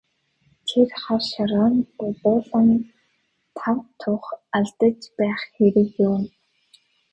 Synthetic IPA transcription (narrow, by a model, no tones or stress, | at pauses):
t̪ʰerχarʃaɾɔːnʊpʊːɮɔn | t̪ʰawt̪ʰʊχaɮt̪ə̆t͡ɕpæːχxeɾɘ̆kjʊːm